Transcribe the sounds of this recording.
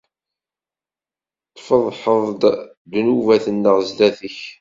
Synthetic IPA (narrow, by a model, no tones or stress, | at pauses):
t̪ˤːfəðˤħəðˤd̪ | d̪nuvæθənːəʁzlæθəç